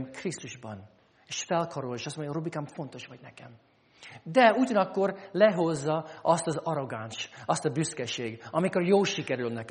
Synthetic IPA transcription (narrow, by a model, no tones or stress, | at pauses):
mkrist̪uʒbɒn | eːʃfɛlkʰɒɾolʃɒstmoɲɟrobikaːmfo̞nt̪o̞ʃʋɒɟnɛkɛm | d̪ɛuɟɒnɒkːo̞rlɛɦo̞zːɒɒst̪ɒzɒɾo̞ɡanʃɒst̪ɒbyskɛʃeːɡɒmikorjoːlʃikɛɾylnɛkɛ